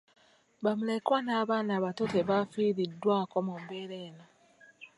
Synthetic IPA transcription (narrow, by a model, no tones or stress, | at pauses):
βamule̞kwanaːβaːnaːβatote̞βaːfiːɾidːwaːko̞mumbe̞ːɾe̞ːno